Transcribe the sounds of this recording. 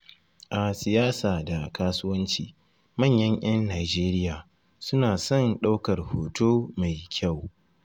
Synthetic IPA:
ʔa˨sɪ˨jaː˦saː˨da˨kaː˦sʊ˦wɐ˦nt͡ʃḭː˨ | mɐ˦˨ɲjɐ˦ɲʔɐ˦nːaː˨d͡ʒeː˦ɾɪ˦jaː˨ | sʊ˦naː˨sɔ˦˨nɗa˦wkɐ˨rhoː˨toː˦ma˨jkʲʰa˦˨w

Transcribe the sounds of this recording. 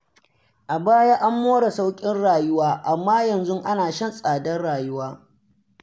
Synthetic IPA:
ʔa˨baː˦jaː˦ʔa˦mːoː˦ɽa˨sa˦wkʲʼɪ˦nɽaː˨jʊ˦waː˦ʔa˨mːaː˦jɐ˨nzʊ˦ŋʔa˦naː˨ʃɐ˦nsʼaː˨dɐ˦nɽaː˨jʊ˦waː˦

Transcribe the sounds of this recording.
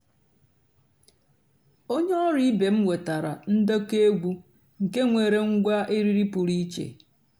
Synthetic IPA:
o˦ɲe˦ɔ˦ɾi˦be˨m̩˦we˨ta˨ɾa˨n̩˦do˦ke˦ɡʷu˦ | ŋ̩˨ke˦ŋʷe˨ɾe˨ŋ̩˦ɡʷa˦ʔi˦ɾi˦ɾi˦pu˨ɾi˦t͡ʃḛ˨

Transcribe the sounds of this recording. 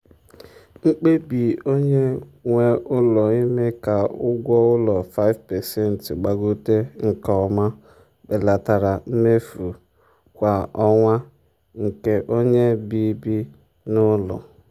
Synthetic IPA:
ŋ͡m̩˦k͡pe˦bi˨o˦ɲe˦ŋʷe˦ʔʊ˦lɔ˨i˦me˦ka˨ʊ˦ɡʷɔ˦ʊ˦lɔ˨fa˦ɪ˦vpɛ˨sɛ˦n̩˨tɡ͡ba˨ɡo˦te˦ŋ̩˨kɔ˨ma˦ | be˨la˨ta˨ɾa˨m̩˦me˦fu˨ | kʷa˨ɔ˦ŋʷa˦ | ŋ̩˨ke˦ʔo˦ɲe˦bi˦bi˦ | nʊ˦lɔ̰˨

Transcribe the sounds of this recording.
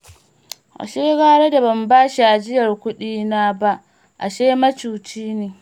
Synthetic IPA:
ʔa̰˨ʃeː˦ɡaː˦ɽe˦da˨bɐ˨mbaː˦ʃi˨ʔa˨d͡ʒɪ˦jɐ˨rkʷʊ˦ɗiː˦naː˦ba˦ʔ | ʔa̰˨ʃeː˦mɐ˦t͡ʃuː˨t͡ʃiː˦neː˨

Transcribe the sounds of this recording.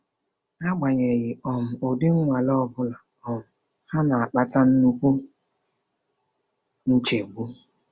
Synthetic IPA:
a˦ɡ͡ba˨ɲe˨ɣɪ˨ɔ˨m̩˨o˨dɪ˦ŋ̩˦ŋʷa˨lɔ˦˨bʊ˦la˨ | ɔ˨m̩˨ | ha˦na˨a˨k͡pa˦ta˦n̩˦nu˦kʷu˦ | n̩˦t͡ʃe˨ɡ͡bu˦

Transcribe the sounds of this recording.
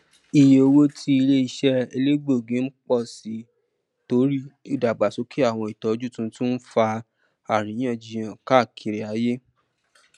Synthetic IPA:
i˨je˨o˧wo˦tʰi˧˦i˧le˦i˧ʃɛ˦e˧le˦ɡ͡bo˦˨ɡĩ˨˦n̩˦k͡pɔ˦˨si˨˦ | to˨˦ɾi˦i˦˨da˨ɡ͡ba˨so˨˦kʰi˦a˦˨w̃ɔ̃˧i˨tɔ˨˦d͡ʒu˦˨tũ˧˦tũ˦fa˧ | a˨ɾ̃ĩ˨˦j̃ã˦˨d͡ʒi˧˨j̃ã˨ka˦˨kʰi˨ɾe˨a˨˦je˦

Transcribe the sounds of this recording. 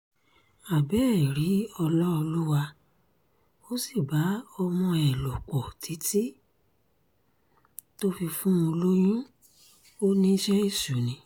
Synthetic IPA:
a˨bɛː˦˨ɾi˨˦ɔ˧lɔ˦o˧lu˦wa˧ | o˦si˦˨ba˨˦ɔ˧mɔ̃˧ɛ˨lo˨k͡pɔ˨tʰi˨˦ti˦ | to˦fi˧fũ˦o˧lo˦j̃ũ˦ | o˦nĩ˦ʃɛ˦i˦˨su˨˦nĩ˧˦

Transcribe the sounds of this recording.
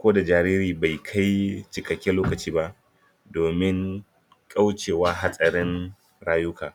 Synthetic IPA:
kʷoː˦da˨d͡ʒaː˨ɾiː˦ɾiː˨ba˨jkʰa˦jt͡ʃɪ˨kʼɐ˨kʲːɛ˦loː˦kɐ˨t͡ʃiː˦ba˦ʔ | doː˨mɪ˦ŋ | kʼa˦wt͡ʃeː˨waː˦ɦa˦sʼɐ˨ɾɪ˦n | ɽaː˦jʊ˦kʰaː˨

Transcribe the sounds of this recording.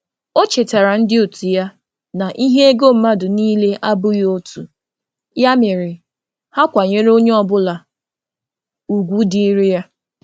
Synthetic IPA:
o˦t͡ʃe˨ta˨ɾa˨n̩˦dɪ˦o˨tu˨ja˦ | na˨ʔi˦ɦe˦e˦ɡo˦m̩˨ma˦dʊ˨niː˦le˦ʔa˦bʊ˦jo˦tu˨ | ja˦mɪ˨ɾɪ˨ | ha˦kʷa˨ɲe˦ɾo˦ɲe˦ɔ˦˨bʊ˦la˨ | u˨ɡʷu˦di˦i˦ɾɪ˦ja˦

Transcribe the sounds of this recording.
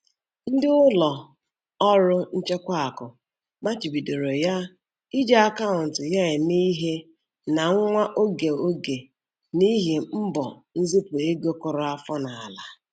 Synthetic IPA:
n̩˦dɪ˦ʊ˦lɔ˨ | ɔ˦ɾʊ˦n̩˦t͡ʃe˦kʷa˦a˨kʊ˨ | ma˦t͡ʃi˨bi˨do˨ɾo˨ja˦ | i˦d͡ʒe˦a˦ka˦ʊ˨n̩˨tɪ˨ja˦ɪ˨ni˦ɦe˦ | na˨ŋ̩˦ŋʷa˦ʔo˦ɡe˨o˦ɡe˨ | ni˦ɦe˨m̩˦bɔ̰˨n̩˦zi˦pʊ˨e˦ɡo˦kʊ˦ɾʊ˦a˦fɔ˦na˨a˨la˨

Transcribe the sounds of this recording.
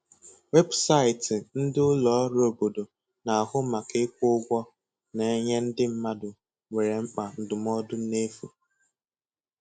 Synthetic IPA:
we˦bsa˦˨ɪ˨tɪ˨n̩˦dɪ˦ʊ˦lɔ˨˦ɾo˦˨bo˨do˨ | na˨a˨ɦʊ˦ma˨ke˦kʷʊ˦ɡʷɔ˦ | ne˨˦ɲe˦n̩˦dɪ˦m̩˦ma˦dʊ˨ | ŋʷe˨ɾe˨ŋ͡m̩˦k͡pa˨n̩˨dʊ˨m˦ɔ˦dʊ˦ne˦fu˨

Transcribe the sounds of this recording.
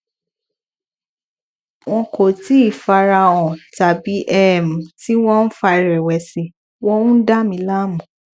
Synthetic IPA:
w̃ɔ̃˧ko˨ti˦i˦˨fa˧ɾa˧ɔ̃˨ta˨bi˨˦ʔɛ˦˨m̩˨ti˦w̃ɔ̃˦n̩˦fa˧i˧˨ɾɛ˨wɛ˨si˨ | wɔ̃˦ũ˦da˦mĩ˧˦la˦mũ˨

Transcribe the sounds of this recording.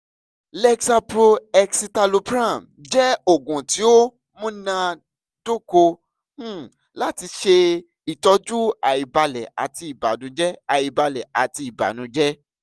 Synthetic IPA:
lɛ˧ksa˧pɾo˧ɛ˧ksi˧ta˧lo˧pɾã˦˨m | d͡ʒɛ˦o˨ɡũ˨ti˨˦o˦ | mũ˦nã˧ | d̥o˦kõ˧˦˨ | la˦ti˧ʃe˧ | i˨tɔ˧d͡ʒu˦a˨i˨ba˧lɛ˨a̰˨ti˧i˨ba̰˨nũ˨˦d͡ʒɛ˦a˨i˨ba˧lɛ˨a˨ti˧i˨ba̰˨nũ˨˦d͡ʒɛ˦

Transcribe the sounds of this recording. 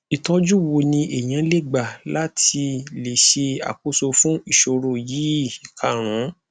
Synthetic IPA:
i˨tɔ˦d͡ʒu˦wo˧nĩ˧ʔe˨j̃ã˨˦le˦˨ɡ͡ba˨la˦tʰi˧le˨ʃe˧a̰˨ko˦so˧fũ˦i˦˨ʃo˧ɾo˦˨ji˨˦˨i˨kʰa˨ɾ̃ũ˨˦

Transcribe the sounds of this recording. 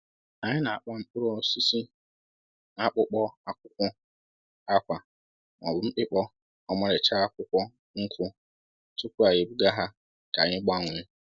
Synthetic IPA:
a˨ɲɪ˦nã˨a˨k͡pa˦m̩˦k͡pʊ˦ɾɔ˦˨˦si˦si˦ | na˨k͡pʊ˦k͡pɔ˦a˨kʷʊ˦kʷʊ˦ | a˦kʷa˨ | mɔ˨bʊ˨˦m̩˦k͡pɪ˦k͡pɔ˦ | ɔ˦mã˦ɾɪ˨t͡ʃa˦a˦kʷʊ˦kʷɔ˦ | ŋ̩˦kʷʰʊ˦ | tʊ˦kʷu˦a˨je˨bi˦ɡa˦ɦa˦ | ka˨ɲɪ˦ɡ͡ba˦˨ŋʷɪ˨˦

